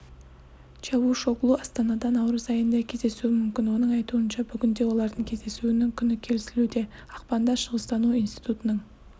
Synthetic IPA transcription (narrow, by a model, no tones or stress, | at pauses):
t͡ʃɑwuʃo̞klˠuɑst̪ɑnɑd̪ɑnɑwɾəzɑjənd̪ɑkʲʰe̞zd̪e̞suɪmʏmkʲɪnwo̞nəɴɑjt̪uənʃɑbʏɡʲɪnd̪e̞wo̞lˠɑɾd̪əŋkʲʰe̞zd̪e̞suɪnɪŋkʲʰʏnɪkʲʰe̞lɪsɪlud̪e̞ | ɑqpɑnd̪ɑʃəʁəst̪ɑnuijnst̪i̥t̪ut̪ənəɴ